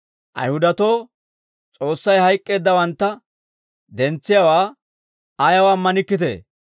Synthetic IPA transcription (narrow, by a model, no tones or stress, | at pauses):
ʔɐ̰jhʊd̪ɐt̪o̞ː | t͡sʼo̞ːsːɐjhɐjkʼːe̞ːd̪ːɐwɐnt̪ːɐ | d̪ɛnt͡sːɪjɐwaː | ɐjɐwaːmːɐnɪkːɪt̪ḛː